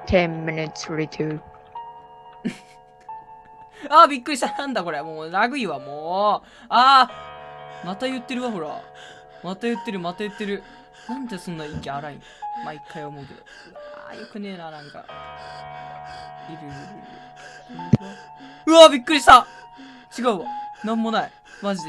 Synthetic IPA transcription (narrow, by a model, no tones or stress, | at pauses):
tʰɛ̃nmɪnɪtsɹitʰu | abʲikːɯɾʲiɕianãnd̪ako̞ɾe̞moːɾaɡɯ̟iβamoː | aː | mat̪ajɯ̟t̪ːe̞ɾɯ̟βaɦo̞ɾa̰ | mat̪ajɯ̟t̪ːe̞ɾɯ̟mat̪ajɯ̟t̪ːe̞ɾɯ̟ | nãnd̪esõ̞nːaikʲeaɾaḭ̃ | ma̰ikːaiomo̞ɯ̟ke̞d̪o̰ | ɯa̰jokɯ̟ne̞ːnanãŋka̰ | iɾɯɯɾɯɾɯ̰ | õnt̪o | ɯ̟abʲikːɯ̟ɾiɕi̥t̪a | t͡ɕiɡaɯ̟βanãmːo̞nai | maʑid̪e